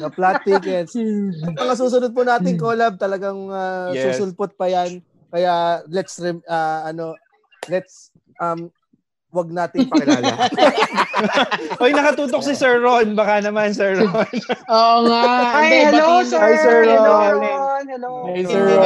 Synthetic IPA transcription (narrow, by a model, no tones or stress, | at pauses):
oplat̪̚ːikɛt̪sɐmɐŋas̬uːs̬ʊnʊd̪̚pʊnaːt̪ɪŋkoːlɐb̚t̪ɐlɐɡɐŋasusʊlpʊt̪̚pɐjan | kɐjalɛt̪sɾɛɐɐno̞ | lɛt̪s | ʔɐm | wɐɡ̚naːt̪ɪpɐɐ | ʔojnɐkɐt̪uːt̪ok̚sɪsɛɹɾonbɐkanɐmansɛɹɹonoŋaɐɐloajsɛonɐloɐjsɛ